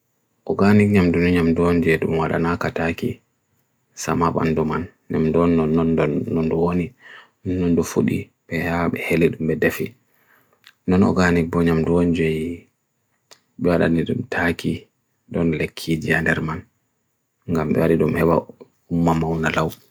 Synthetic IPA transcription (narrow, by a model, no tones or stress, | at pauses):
ʔɔɡanikɲamdunuɲamduɔɲd͡ʒɛɗumwaɗa̰nakataki | samaɓa̰nduman | ɲamdɔnːɔnːɔndɔnːɔnduwoni | nːɔndufuɗḭ | pɛhaɓɛheliɗumbɛdefi | nɔnɔ̰ɡanik̚bɔɲamduɔɲd͡ʒɛji | ɓɛwaɗa̰niɗṵmtʰaki | ɗɔnlekʰːid͡ʒiandɛɾman | ŋɡambɛ̰waɾiɗumhɛɓa̰ | umːamawnalaw